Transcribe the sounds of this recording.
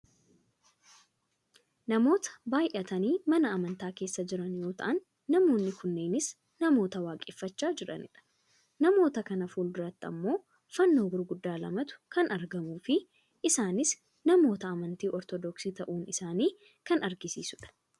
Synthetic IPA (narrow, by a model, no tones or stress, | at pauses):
nɐmo̞ːt̪ɐ̥baːjʔɐt̪ɐniːmɐnɐːmɐnt̪aːke̞ːsːɐd͡ʒɪɾɐnjo̞ːt̪ɐ̰ʔɐnː | ɐmo̞ːnːɪkʊnːe̞ːnɪs | nɐmo̞ːt̪ɐwaːkʼɪfːɐt͡ʃːaːd͡ʒɪᶑɐ̰nɪ̰ᶑɐ̥ | nɐmo̞ːt̪ɐkɐnɐfuːld̪ʊɾɐt̪ːɐ̰mːo̞ː | fɐnːoːɡʊɾɡʊd̪ːaːlɐ̰mɐt̪ʊ̥kɐnʔɐɾɡɐmuːfɪ | ʔɪsaːnɪs | nɐmo̞ːt̪ɐːmɐnt̪iːʔɔɾt̪ɔd̪ɔksiːt̪ɐʔuːnɪsaːniː | kɐnɐɾɡɪsḭːsʊᶑɐ̥